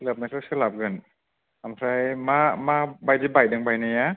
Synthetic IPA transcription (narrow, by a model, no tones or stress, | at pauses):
lɯp̚nakʰɯsʰɯlap̚ɡɯnʰ | amkʰɾajmaːmaːbajtibajdaŋbajnaja